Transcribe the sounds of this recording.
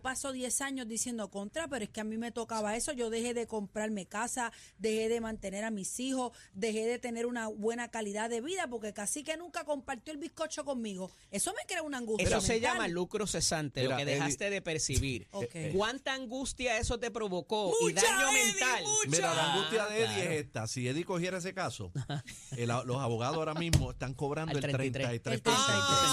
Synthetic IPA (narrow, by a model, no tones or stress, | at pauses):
paso̞ðje̞saɲo̞zd̪isje̞nd̪o̞ko̞nt̪ɾapeɾoeske̞amĩme̞t̪o̞kaβae̞so̞ʝo̞ðe̞he̞ðe̞ko̞mpɾaɾmekasa | d̪e̞he̞ðe̞mãnt̪e̞ne̞ɾamisiho̞d̪e̞ɦe̞ðe̞t̪e̞ne̞ɾunaβwe̞nakaliðaðe̞βiðapo̞ɾke̞kasike̞nũŋkako̞mpaɾt̪joelbihko̞t͡ʃo̞ko̞ŋmiɣo̞ | e̞somekɾeounaŋɡusesose̞ʝamalukɾose̞sant̪elokeðehast̪e̞ðe̞pe̞ɾsiβiɾokekwant̪aːŋɡust̪jae̞so̞t̪e̞pɾo̞βo̞ko̞iðaʎomẽnt̪almiɾalaaŋɡust̪jaðeeðieseht̪asieðiko̞hje̞ɾaes̬e̞kaso̰ | elalosaβoɣaðosaoɾamĩsmoest̪aŋko̞βɾanolɾt̪ɾenait̪ɾet̪ɾenat̪ɾe